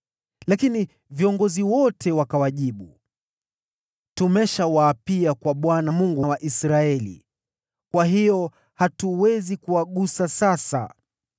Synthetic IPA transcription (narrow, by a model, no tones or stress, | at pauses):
lakini | viɔŋɡɔziwɔtʰɛwakawaʄiɓu | tumɛʃawaːpiakwaɓwanamuŋɡuwaʔisɾaɛlḭ | kwaɦijɔ | hatuwɛzikuwaɠusasasa̰